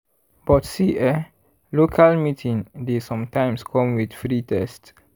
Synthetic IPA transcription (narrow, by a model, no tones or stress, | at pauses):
b̥ɔtsiʔɛ | lokʰalmitʰĩŋdesɔ̃mtãɪ̃mskʰɔ̃mwidfɹitʰɛst